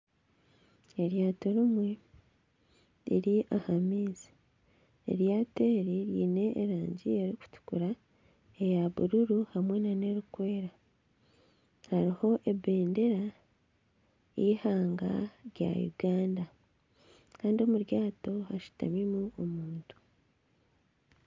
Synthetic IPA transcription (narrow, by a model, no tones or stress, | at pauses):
e̞ɾjaːto̞ɾimwe | iɾiʔahamiːzi̥ | ḛɾjaːte̞ːɾiɾjiːne̞ʔːɾaːɲɟie̞ɾiku̥tu̥kuɾa | ejaβuɾuɾuhamwe̞nane̞ɾukwe̞ːɾa | haɾiho̞ʔe̞be̞ːnde̞ɾa | ihaːŋɡa̰ɾja̰jṵɡaːnda | kaːndio̞muɾjaːto̞haʃu̥ta̰mimuomuːntu̥